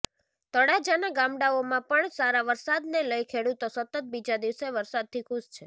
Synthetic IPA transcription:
t̪əɽad͡ʒanaɡãmɽaomãpəɳsaɾaʋəɾsad̪neləjkʰeɽut̪osət̪ət̪̚bid͡ʒad̪iʋseʋəɾsad̪̚t̪ʰikʰuʃt͡ʃʰe

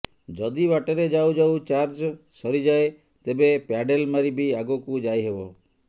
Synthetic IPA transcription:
d͡ʒɔd̪ibaʈeɾed͡ʒawd͡ʒawt͡ʃaɾd͡ʒɔsɔɾid͡ʒae | t̪ebepjaɖelmaɾibiaɡokud͡ʒajɦebɔ

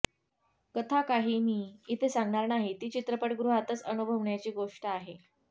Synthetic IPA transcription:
kət̪ʰakaɦiːmiːit̪ʰesaŋɡɳaɾnaɦit̪iːt͡ɕit̪ɾəpəʈɡɾuɦat̪ət͡sənubʱəʋɳjat͡ɕiːɡoʂʈəaɦe

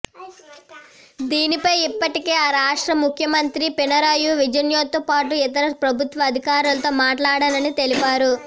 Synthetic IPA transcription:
d̪iːnipɐjipːɐʈikeːaːɾaːʂʈɾɐmukʰjɐmɐnt̪ɾipinɐɾaːjuʋid͡ʒɐnjoːt̪ːopaːʈuɛt̪ɐɾɐpɾɐbʱut̪ʋɐːd̪ʱikaːɾulɐt̪o̞ːmaːʈlaːɽɐnɐnit̪e̞lipaːɾu

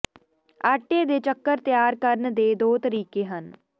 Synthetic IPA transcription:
aːʈːeːd̪eːt͡ʃəkːəɾt̪jaːɾkəɾnd̪eːd̪oːt̪əɾiːkeːɦən

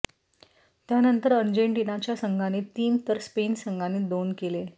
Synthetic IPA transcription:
t̪janənt̪əɾəɾd͡ʑeɳʈinat͡ɕjasəŋɡʱanet̪iːmt̪əɾspensəŋɡʱaned̪onkele

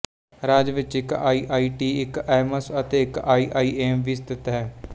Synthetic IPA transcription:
ɾaːd͡ʒʋɪt͡ʃɪkaːiːʔaːiːʈiːɪkɛːməsət̪eːɪkaːiːʔaːiːeːmʋiːst̪ɪt̪ɦɛː

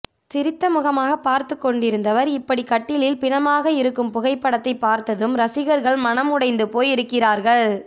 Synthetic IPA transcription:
sɪɾɪt̪ːɐmʊɣɐmaːɣɐpːaːɾt̪ɯkːɔɳɖɪɾɯnd̪ɐʋɐɾɪpːɐɽikɐʈːɪlɪlpɪnɐmaːɣɐɪɾɯkːɯmpʊɣɐɪpːɐɽɐt̪ːɐɪpːaːɾt̪ɐðɯmɾɐsɪɣɐɾɣɐɭmɐnɐmʊɽɐɪnd̪ɯpoːjɪɾɯkːɪraːɾɣɐɭ

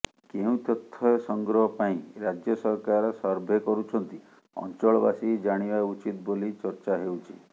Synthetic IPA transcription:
keũt̪ɔt̪ʰːɔjsɔŋɡɾɔɦɔpaĩɾad͡ʒjɔsɔɦkaɾɔsɔɾbʱekɔɾut͡ʃʰɔnt̪i | ɔ̰nt͡ʃɔɭɔbasid͡ʒaɽ̃ibaut͡ʃit̪bolit͡ʃɔɾt͡ʃaɦewt͡ʃʰḭ

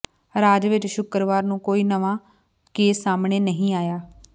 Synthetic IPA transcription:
ɾaːd͡ʒʋɪt͡ʃʃʊkɾʋaːɾnũːkoːiːnəʋaː | keːsːaːmɳeːnəɦĩːaːjaː

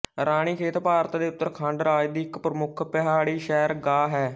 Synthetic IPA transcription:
ɾaːɽ̃iːkʰeːt̪paːɾt̪ːd̪eːʊt̪ːəɾkʰãːɳɖɾaːd͡ʒd̪iːɪkpɾəmʊkʰpɛɦaːɽiːʃɛːɾɡaːɦɛː

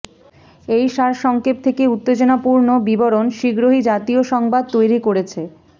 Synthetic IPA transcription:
ejʃaɾʃɔŋkep̚t̪ʰekeut̪ːed͡ʑonapuɾnobiboɾonʃiɡɾoɦid͡ʑat̪ioʃɔŋbad̪̚t̪ojɾikoɾet͡ɕʰe

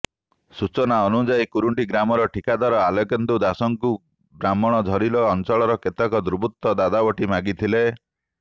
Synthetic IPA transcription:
sut͡ʃɔnaɔnud͡ʒajkuɾuɳʈiɡɾamɔɾɔʈikad̪waɾɔalɔkent̪ud̪asɔŋku | bɾamɔɽ̃ɔd̪ʱɔɾilɔːnt͡ʃɔɭɔɾɔket̪ɔkɔd̪uɾubʱut̪ːɔd̪ad̪abɔʈimaɡit̪ʰile

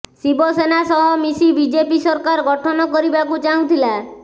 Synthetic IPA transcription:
sibɔsenasɔɦɔmisibid͡ʒepisɔɾkaɾɡɔʈʰɔnɔkɔɾibakut͡ʃaũt̪ʰila

